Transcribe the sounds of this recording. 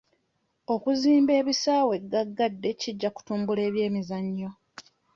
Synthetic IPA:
o̞kuziːmbe̞ːβisaːwe̞ɡaɡːadːe̞ciɟːaku̥tuːmbule̞ːβje̞ːmizaɲːo̞

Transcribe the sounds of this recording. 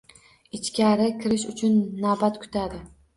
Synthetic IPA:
ɪt͡ʃkʲaɾɪkʲʰɪɾɪʃʊt͡ʃʰʊnːabat̪kʰʊ̥t̪ʰad̪ɪ

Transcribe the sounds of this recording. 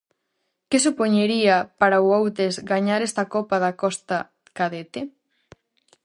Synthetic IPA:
kesupoɲeɾiapaɾauowt̪ezɡaɲaɾest̪ɐkopaðakɔst̪a | kaðet̪e

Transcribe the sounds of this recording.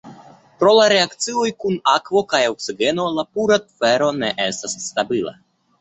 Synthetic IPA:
pɾo̞laɾe̞akt͡siojkunakvo̞kajoksiɡe̞no̞lapuɾat̪feɾo̞neʔest̪asːt̪abila̰

